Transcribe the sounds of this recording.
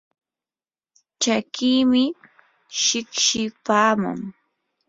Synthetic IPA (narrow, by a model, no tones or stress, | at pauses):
t͡ʃakiːmɪ | ʃɪkʃɪpaːmʊ̰ŋ